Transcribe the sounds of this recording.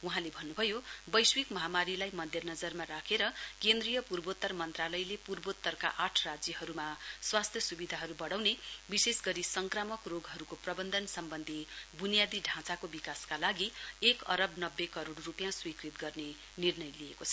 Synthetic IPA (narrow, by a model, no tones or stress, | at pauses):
uɦãlebʱʌnːubʱʌjobʌjswikmʌɦamaɾilajmʌd̪ʱjʌnʌd͡zʌrmaɾakʰeɾʌkend̪rijʌpurbot̪ːʌrmʌnt̪ralʌjlepurbot̪ːʌrka̰ʔaʈʰrad͡zjʌɦʌɾumaswast̪ʰjʌsubid̪ʱaɦʌɾubʌɽawnebisesɡʌɾisʌŋkramʌkroɡɦʌɾukoprʌbʌnd̪ʱʌnsʌmbʌnd̪ʱibunijad̪iɖʱãt͡sakobikaskalaɡiekʌ̰ɾʌbnʌbːekʌɾoɽrupjãswikrit̪̚ɡʌrne | nirnʌjlijekot͡sʰʌ̥